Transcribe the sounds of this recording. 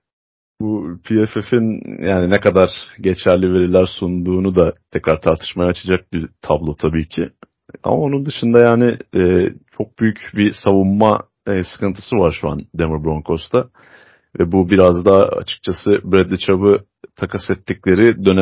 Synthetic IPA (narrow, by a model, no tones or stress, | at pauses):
bupʰiefefinjʔaːninɛkʰad̪aɾ̥ɟe̞t͡ʃʰæɾlʲive̞ɾilʲæɾsund̪uːnud̪at̪ʰɛcɾaɾt̪ʰaɾt̪ʰɯ̥ʃmajaːt͡ʃʰad͡ʒak̚bit̪ʰablˠo̞t̪ʰabiːcʰi | a̰mao̞nund̪ɯʃɯnd̪ajaːnɪɛːt͡ʃʰo̞k̚byjycbisavumːa | sɯ̥kʰɯnt̪ʰɯ̥sɯvaɾʃua̰nd̪emɯɾbɾoŋkʰo̞st̪ʰa | vɛbubiɾazd̪aːa̰t͡ʃʰɯ̥k̚t͡ʃʰasɯbɾɛd̪ːit͡ʃʰabɯ | t̪ʰakʰasɛt̪ːiclʲe̞ɾid̪ø̞nɛ